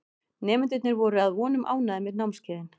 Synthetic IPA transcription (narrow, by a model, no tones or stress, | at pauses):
nɛːmʏnt̪̬ɪt̪nɪɾvɔɾʏaðvɔːnʏmʔa̰ːwnaðɪmɪðnawmnscɛːðɪn